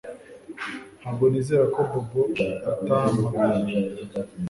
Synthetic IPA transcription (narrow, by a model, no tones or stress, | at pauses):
haɡonizeɾakobuboataːma